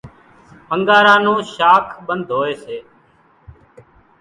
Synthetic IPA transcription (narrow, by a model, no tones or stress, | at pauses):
pəŋɡaːɾãːnũːʃaːkʰɓənd̪ʱoːeːseː